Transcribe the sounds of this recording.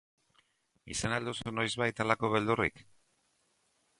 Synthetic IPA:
ḭsenald̪usuno̞jzβajt̪alako̞β̞e̞ld̪urḭk

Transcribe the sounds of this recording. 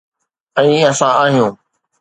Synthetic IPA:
ɛ̃ːɐsãaːɦijũː

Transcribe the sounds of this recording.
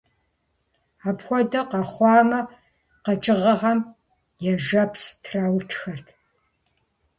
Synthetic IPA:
aːpxʷɔdɐqɐχʷɑːmɐ | qɐt͡ʃʼɪʁɐʁɐm | jɛʒɐpʰstʰraːwtʰxɐrtʰ

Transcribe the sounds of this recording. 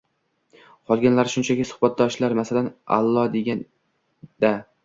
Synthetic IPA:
qʰɒlˠɡʲanlaɾʃʊnt͡ʃʰakʲɪsʊ̥hbat̪̚d̪ɒʃlaɾmasalana̰lˠːɒd̪e̞ɡʲan | d̪̥a

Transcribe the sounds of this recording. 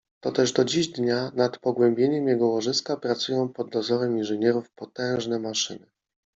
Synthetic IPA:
t̪ɔt̪ɛʐd̪ɔd͡ʑiʑd̪ɲanat̪pɔɡwɛmbʲjeɲɛmjɛɡɔwɔʐɘskapɾat̪sujɔ̃w̃pɔd̪̚ːɔzɔɾɛminʐɘɲɛɾufpɔt̪ɛ̃w̃ʐnɛmaʂɘ̰nɘ

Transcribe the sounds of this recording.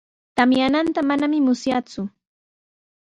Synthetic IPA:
t̪amjanant̪amanamɪmʊsjat͡sʊ

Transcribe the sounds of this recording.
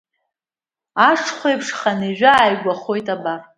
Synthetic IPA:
aʂʰχʷejpʰʂχaneʒᶣaːjɡʷaχo̞jtʼabar

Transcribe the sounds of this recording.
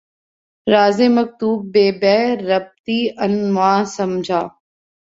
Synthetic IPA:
ɾaːzeːmək̚t̪uːbːeːbɛːɾəb̚t̪iːʔənʋãːsɐmd͡ʒʱaː

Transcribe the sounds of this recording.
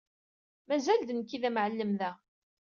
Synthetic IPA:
mæzæld̪ənkːiðæmʕəlːəmðæ

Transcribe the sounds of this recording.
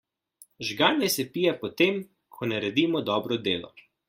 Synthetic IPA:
ʒɡaːnːɛsɛpijapɔt̪em | kʰɔnaɾɛd̪iːmɔd̪ɔːbɾɔd̪eːlɔ̰

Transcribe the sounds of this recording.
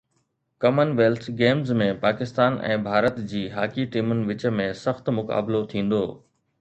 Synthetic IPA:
kɐmənʋeːlt̪ʰɡeːmzmẽpaːkɪst̪aːnʔɛ̰̃ːbʱaːɾət̪d͡ʑiːɦaːkiʈiːmʊnɪ̆ʋɪt͡ɕə̆mẽsɐxt̪mʊka̰ːblot̪ʰĩːn̆d̪oː

